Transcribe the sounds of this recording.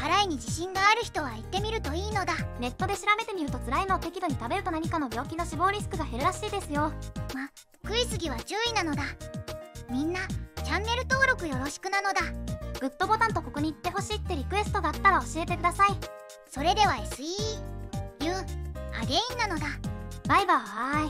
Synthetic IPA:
haɾaiɲ̟id͡ʑiɕĩŋɡaːɾɯ̟çi̥t̪o̞βait̪ːe̞mʲiɾɯ̟t̪o̞iːno̞d̪ane̞t̪ːo̞d̪e̞ɕiɾabe̞t̪e̞mʲiɾɯ̟t̪o̞t͡sɨɾaino̞t̪e̞kʲid̪o̞ɲ̟it̪abe̞ɾɯ̟t̪o̞naɲ̟ikano̞bʲo̞ːkʲino̞ɕibo̞ːɾʲisɨ̥kɯ̟ɡahe̞ɾɯ̟ɾaɕiːd̪e̞sɨjo̞ma | kɯ̟isɨɡʲiβat͡ɕɨːinano̞d̪a | mʲĩnːat͡ɕãnːe̞ɾɯ̟t̪o̞ːɾo̞kɯ̟jo̞ɾo̞ɕi̥kɯ̟nano̞d̪aɡ̥ɯ̟t̪ːo̞bo̞t̪ãnt̪o̞ko̞ko̞ɲ̟iːt̪ːe̞ɦo̞ɕiːt̪ːe̞ɾʲikɯ̟e̞sɨ̥t̪od̪at̪ːaɾao̞ɕie̞t̪e̞kɯ̟d̪asai | so̞ɾe̞d̪e̞βaesɨi | jɯ̃a̰ɡe̞ĩnːano̞d̪abaibahai

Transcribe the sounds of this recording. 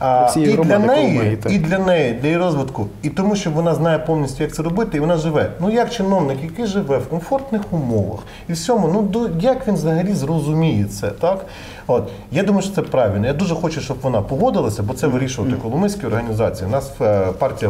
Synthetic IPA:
ilʲɐnɛjiid̪lʲɐnɛjid̪lʲɐjiɾɔzʋɪt̪kʊit̪ɔmuʃt͡ʃɔʋɔnɑznɑjɛpɔwnʲisʲtʲʊjɐk̪̚sɛɾɔbɪt̪ɪiʋɔnɑʒɪʋɛnujɐkt͡ʃɪnɔʋnɪkjɐkɪʒɪʋɛwkɔnfɔrt̪nɪxʊmɔʋɐ̰x | iwsʲɔmʊnud̪ɔjɐkʋʲinʋzɐɦɐlʲizrɔzʊmʲijɛt̪sɛ̰t̪ɑk | ot̪ | jad̪umɐjʊʃt͡ʃɔ̥t̪ɛpɾɑʋʲilʲnɔjad̪uʒɛxɔt͡ʃʊʃt͡ʃɔbʋɔnɑpɔɦɔd̪ɪlˠɐsʲɐbɔt̪sɛʋɪɾʲiʃʊʋɐt̪ɪkɔlˠʊmɪsʲkʲiɔrɦɐnʲizɑt͡sʲijiʊnɑspɑrtʲijɐ

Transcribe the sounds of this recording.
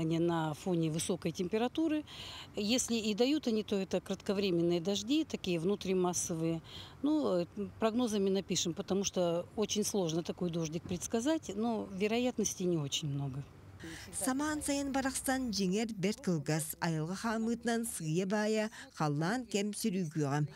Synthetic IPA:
nʲɪjənɐfo̞nʲɪvɨso̞kəjtʲɪmʲpʲɪɾɐt̪uɾɨjesʲlʲɪid̪ɐjut̪ɐnʲit̪o̞ɛt̪əkɾət̪kɐvɾʲemʲɪnːɨjəd̪ɐʐdʲit̪ɐkʲijəvnut̪ɾʲimasːəvɨjənupɾɐɡno̞zəmʲɪnɐpʲiʂɨmpət̪ɐmuʂt̪oot͡ɕɪnʲslˠo̞ʐnət̪ɐko̞jd̪o̞ʐnʲɪk̚pɾʲɪt̪skɐzatʲnovʲɪɾɐjat̪nəsʲtʲɪnʲɪo̞t͡ɕɪnʲmno̞ɡə | sɑmɑnsɑjənbɑɾɑqst̪ɑnʒeŋeɾbʲeɾt̪kʲəlˠɡazɑjəlˠʁəχɑmɨt̪nɑnsɨjəbɑjəχɑlˠːɑnkʲʰemsʲʏɾykʲujʁɑm

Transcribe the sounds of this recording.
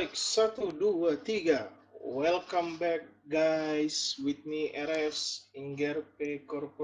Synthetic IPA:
jksat̪uduat̪iɡawɛlkambɛk̚ɡajswit̪̚niʔɛɾɛsiŋɡɛrpekɔrpo

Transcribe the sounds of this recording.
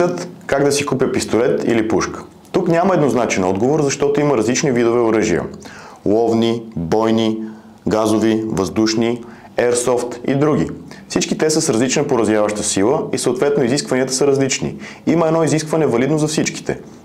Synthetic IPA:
ət̪kaɡd̪ɐsikupjəpist̪olɛt̪ḭlipuʃkə̥ | t̪uknʲaməɛd̪noznat͡ʃɛnɔd̪ɡovoɾzɐʃt̪ɔt̪ʊiməɾɐzlit͡ʃnivid̪ovɛʊɾəʒiə̰ | lˠɔvnibɔjni | ɡazovivəzd̪uʃni | ɛɾsɔft̪ḭd̪ɾuɡ̟ḭfsit͡ʃkit̪ɛsəsɾɐzlit͡ʃnəpoɾɐzvjavəʃt̪əsilˠəisəot̪vɛt̪noiziskvɐniət̪ə̥səɾɐzlit͡ʃnḭ | iməɛdnɔiziskvɐnɛvɐlid̪nozɐfsit͡ʃki̥t̪ɛ̰

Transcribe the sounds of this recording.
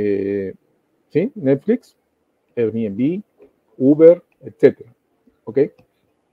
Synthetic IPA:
e | sinɛt̪fliks | eɾmiebi | ubeɾ | et̪set̪eɾa | okej

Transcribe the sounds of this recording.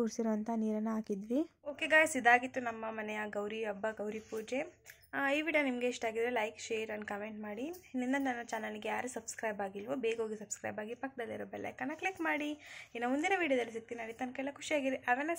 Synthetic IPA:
uːɾsiɾoːɐnt̪ʰɐniːɾɐnːɐaːkid̪ʋioːkeɡaːjsid̪ːaːɡit̪ːunɐmːɐmɐnɛjɐɡɐwɾiɐbːɐɡɐwɾipuːd͡ʒe | iʋiːɖjonimɐɡeːʂʈaːɡid̪ɾelɐjkʃeːɾɐnkɐmeɳʈmaːɽinind̪ɐnɐnːɐt͡ʃaːnɐliɡejaːɾesɐbskɾɐjbaːɡilʋobeːɡɦo̞ːɡisɐbskɾɐ̰jbaːɡipɐk̚ːd̪ɐlːiɾoːbɛlɐ̰jkɐnːɐklikmaːɽiinːɐmund̪inɐʋiːɽijɐd̪ɐlːis̬ik̚t̪inɐːɭit̪ɐnkɛlɐkʰuʂiaːɡiɾiʔɐʋɛnːɐ

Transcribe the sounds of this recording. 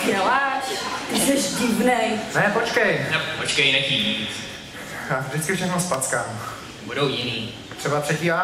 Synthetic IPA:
ɛlaʃʒɛʃdivnɛjnɛpot͡ʃkɛjnɛpot͡ʃkɛjnɛciːɲiːt͡s | vʒdɪt͡skɪfʃɛxnospat̪t͡skaːm | budowjɪniː | t̪r̥ɛbapr̥ɛciːa

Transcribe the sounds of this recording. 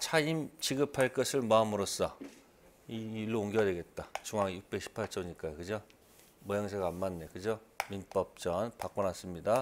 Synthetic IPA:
t͡ɕʰaimt͡ɕiɡɯpʰaɭk͈ʌsʰɯɭmamɯɾos͈ʌ | iiɭːooŋɡiadwe̞ɡe̞t̚t͈at͡ɕuŋaŋjuk̚p͈eɕʰi̥pʰaɭt͡ɕ͈ʰʌɲik͈ajokɯd͡ʑo | mʌjʌŋsʰeɡanmanːekɯd͡ʑominp͈ʌp̚t͡ɕ͈ʌnpak̚k͈ʌnas͈ɯmɲida

